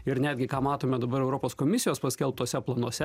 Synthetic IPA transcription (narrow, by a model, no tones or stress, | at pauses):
ɪɾnʲæːd̪ʲɡʲɪkɑːmɑːt̪oːmʲɛd̪ɐbɐɾɛʊɾopoːskomʲɪsʲɪjoːspɐsʲkʲɛlˠp̚t̪oːsʲɛplˠɐnuɔsʲɛ